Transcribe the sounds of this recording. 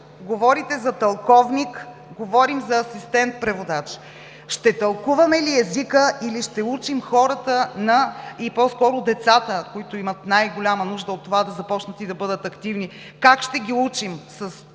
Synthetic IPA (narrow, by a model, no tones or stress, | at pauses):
ɡovɔɾit̪ɛzɐt̪ɐlˠkɔvnik | ɡovɔɾimzɐːsist̪ɛnt̪̚pɾɛvod̪at͡ʃ | ʃt̪ɛt̪ɐlˠkuvɐmɛliɛzikəiliʃt̪ɛut͡ʃimxɔɾət̪ənɐipɔskɔɾʊd̪ɛt̪sat̪əkoit̪ʊimət̪najɡolʲamənuʒd̪əot̪ːovad̪ɐzɐpɔt͡ʃnət̪id̪ɐbɤd̪ət̪ɐkt̪ivni | kakʃt̪ɛɡʲiut͡ʃimsəs